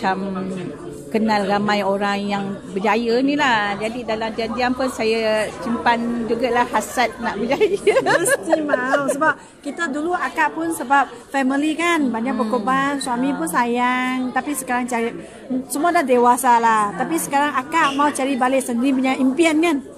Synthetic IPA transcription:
at͡ʃam | kənalramajoɾaŋjaŋbəd͡ʒajənilad͡ʒadidalamdiandiampʊnsajat͡ʃimpand͡ʒuɡalahhasat̪̚naʔbəd͡ʒajəbəst̪imawsəbap̚ | kit̪aduluʔakaʔpʊnsəbap̚ | fɛmilikanbaɲakpəkobanswamĩpʊnsajaŋt̪apisə̥kaɾaŋt͡ʃaɾi | səmuadahdewasalaht̪apisə̥kaɾaŋakaʔmaut͡ʃaɾibalɪʔsəndiɾipuɲaʔimpiənkan

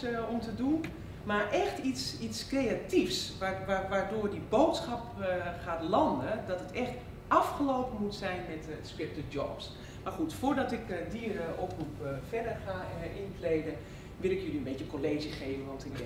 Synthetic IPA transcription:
ɔmtədun | marʔɛxtisitskreatifsʋaʋaʋardʊːdibowtsχɑpχaːtlɑndədɔtətɛxt | ʔɑfχəloːpəmutsɛjnmɛtspɪp̚təd͡ʒɔps | marxutfʊːdɔtɪkdiərəʔoprupfɛdərxaʔɪntlejdə | ʋɪlˠɪkjøliənbetjəkoleːʒjəχeːvənʋɔntɪk̚

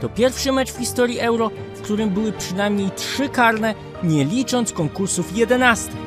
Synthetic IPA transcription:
t̪ɔpʲjɛɾfʂɘmɛt͡ʂfxʲist̪ɔɾʲjiʔɛwɾɔ | fkt̪uɾɘmbɘwɘpʂɘnajmɲejtʂɘkaɾnɛ | ɲɛlʲit͡ʂɔnt̪skɔŋkuɾsufjɛd̪ɛnast̪ɘx

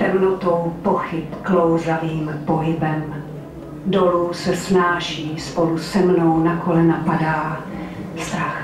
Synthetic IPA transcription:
t̪ɛmnot̪owpoxɪpklowzaviːmpo̞ɦɪbɛm | do̞luːsɛsnaːʃiːspo̞lusɛmnownakolɛnapadaː | st̪ax

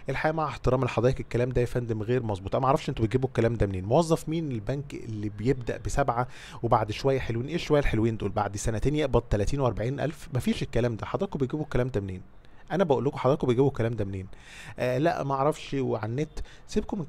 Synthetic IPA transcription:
ʔelħajæːmaʕaeħt̪eɾˤɑːmelħɑd̪ˤɑːʔekekːælæːmd̪æfænd̪emɣeːɾmɑzˤbuːt̪ʔænmæʔʕɾˤɑfʃʔent̪ubet̪̚ɡiːbokːælæːmd̪æmneːnmowɑzˤːɑfmiːnelbænkʔḛlːibejeb̚d̪æ̰ʔbesæbʕa | webaʕd̪ʃowæjːæħelwiːnʔeːʃowæjːælħelwiːnd̪uːlba̰ʕd̪sænæt̪eːnjeʔbɑd̪̚ˤt̪ælæt̪iːnweʔɑɾˤbaʕiːnʔæ̰lfmæfiːʃekːælæːmd̪æħɑd̪ˤɑːkbejɡiːbokːælæːmd̪æmneːn | ʔænæbæʔolːokoħɑd̪ɑːjkobejɡiːbokːælæːmd̪æmneːn | ʔlæ̰ʔmæʔɑʕɾˤɑfʃweʕanːeːt̪ | sibkome

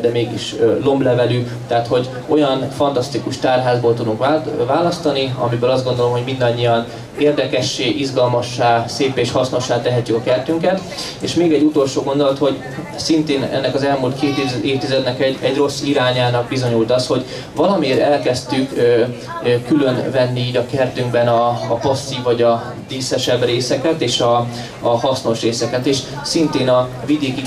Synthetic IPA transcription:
d̪ɛmeːɡiʃlo̞mblɛvɛly | t̪ɛɦːt̪ho̞ɟ | o̞jɒnfɒnt̪ɒst̪ikuʃt̪aːrɦaːzboːlt̪ud̪uŋkvaːlɒst̪ɒniɒ̰mibøːlɒzd̪ɡo̞nd̪o̞lomɦomind̪ɒɲːiɒn | eːrd̪ɛkɛʃːeːʔizɡɒlmɒʃːaːseːpeːʃhɒsno̞ʃːaːt̪ɛɦɛt̪ːykɒkɛrt̪yŋkɛt̪ | eːʃmeːɡɛɟːut̪o̞lʃoːɡo̞nd̪o̞lɒt̪ho̞ɟ | sint̪eːnɛ̰nːɛkɒzɛlmult̪kʰeːt̪ieːft̪izɛd̪nɛkɛɟɛɟro̞sːiɾaːɲaːnɒɡ̚bizo̞ɲult̪ɒsho̞ɟ | vɒlɒmeːɾɛlkɛst̪yk | kːylø̞nvɛnːiiːɟɒkɛrt̪yŋɡbɛnɒːpɒsːiːɒɟɒ | d̪iːsɛʃɛbreːsɛkɛt̪eːʃɒː | hɒsno̞ʃreːsɛkɛt̪eːʃ | sint̪eːnɒvid̪eːki

